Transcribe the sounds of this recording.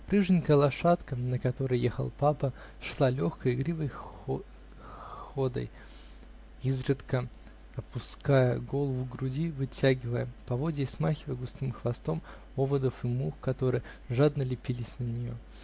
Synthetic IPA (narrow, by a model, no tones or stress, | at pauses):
pɾɨʐɨnʲkəjəlˠɐʂat̪kənəkɐt̪o̞ɾəjjexə̰lˠpapə | ʂlˠalʲo̞xkəjɪɡɾʲivəj | xod̪ə̰j | izɾʲɨt̪kə | ɐpʊskajəɡo̞lˠvɡɾʊdʲivɨtʲæɡʲɪvəjəpɐvo̞dʲɪːsmaxʲɪvəjəɡʊst̪ɨmxvɐst̪o̞m | ovəd̪əfɨmuxkɐt̪o̞ɾɨjə | ʐad̪nəlʲɪpʲilʲɪsʲnənʲɪjo̰